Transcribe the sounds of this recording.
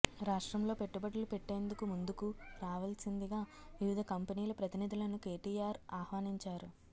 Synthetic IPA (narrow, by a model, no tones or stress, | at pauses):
ɾaːʂʈɾɐmlo̞ːpe̞ʈːubɐʈɐlupe̞ʈːe̞ːnd̪ukumund̪ukuɾaːʋɐlsind̪iɡaː | ʋiʋid̪ʱɐkɐmpɐniːlɐpɾɐt̪inid̪ʱulɐnuke̞ːʈiːaːɾaːhʋaːniɲt͡ʃaːɾu